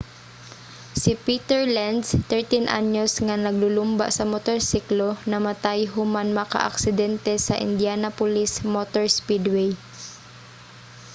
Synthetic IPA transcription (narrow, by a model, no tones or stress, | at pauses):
sɪpit̪ɛɹland̪st̪ɛɹt̪inʔa̰ɲjosŋanɐɡ̚lʊlʊmba̰ʔsɐmot̪oɹsiklonɐmɐt̪ajɦʊmanmaka̰ʔɐ̰ksɪd̪ɛnt̪ɛsɐʔɪ̰nd̪janɐpʊlismot̪oɹspid̪wɛj